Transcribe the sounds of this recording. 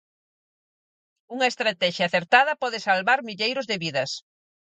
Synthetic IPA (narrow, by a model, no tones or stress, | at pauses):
uŋɐest̪ɾat̪ɛʃjaːθeɾt̪aðɐpɔðɪsalβaɾmiʎejɾʊzðeβiðɐs